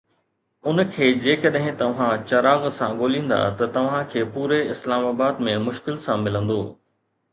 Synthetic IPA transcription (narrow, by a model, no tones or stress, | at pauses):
ʊnkʰeːd͡ʑeːkɐɗɦɪ̃t̪ɐʋ̤ãt͡ɕɐɾaːɣsãɠoːlĩːn̆d̪a̰t̪ɐt̪ɐʋ̤ãkʰeːpuːɾeɪslaːmaːbaːd̪mẽmʊʃkɪlsãmɪlə̃nd̪oː